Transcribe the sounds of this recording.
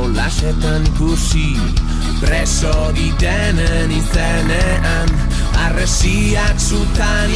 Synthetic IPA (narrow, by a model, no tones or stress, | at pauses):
wlasɛt̪anɡusi | bɾesoðid̪ɛ | neniθe | ne | an | aresi | aksut̪an